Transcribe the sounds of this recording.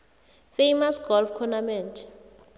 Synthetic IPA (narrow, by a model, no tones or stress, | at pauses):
fejmasɡ̥ɔlfkʰɔnamɛntʰ